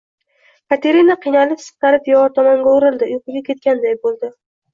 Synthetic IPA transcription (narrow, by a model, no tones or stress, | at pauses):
kʰat̪ʰeɾinaqʰijnalɪpsɨ̥qt̪aɾɪeɒɾt̪ʰɒmɒŋɡʲaʊɾɪlˠd̪ɪʊjqʊɡʲakʲʰe̞t̪̚kʲand̪ajbolˠd̪ɪ